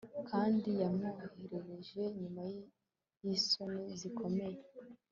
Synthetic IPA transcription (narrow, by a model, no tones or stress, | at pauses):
kʰaːndijamuheɾe̞ɾe̞ʒe̞ɲumaj | jisonezikʰo̞me̞je